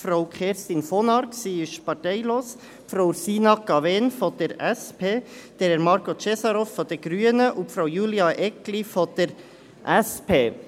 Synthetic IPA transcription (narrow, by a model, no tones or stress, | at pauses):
fɾawkχeːɾst̪infonɑɾksiːɪʃpɑɾtɛɪloːs | pfɾoʊsiːnɑkːɑveːnfɔd̪̥əɾɛspʰeːd̪̥ɛɾɛɾmɑɾkot͡ʃɛsɑɾofːɔd̥̪əɾɡ̥ɾyənəʔupfɾowjuliɑʔɛklifɔd̪̥əɾ | ʔɛspʰeː